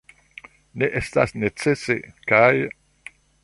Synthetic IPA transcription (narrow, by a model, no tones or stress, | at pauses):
neʔest̪a̰snet͡sesekaj